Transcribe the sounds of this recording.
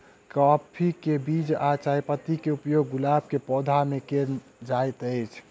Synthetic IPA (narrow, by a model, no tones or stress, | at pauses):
kɔpʰikebid͡ʒat͡ʃajpət̪ikeupjoɡːulab̚kepɔd̪ʱamekeɾ | d͡ʒajt̪əjt͡ʃʰ